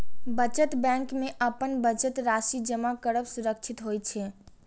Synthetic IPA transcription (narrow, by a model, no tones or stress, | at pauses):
bət͡ʃət̪bɛ̃ŋkmeʔəpənbət͡ʃət̪ɾasid͡ʒəmakəɾəbsuɾək̚t͡ʃʰit̪ɦojt͡ʃʰɛ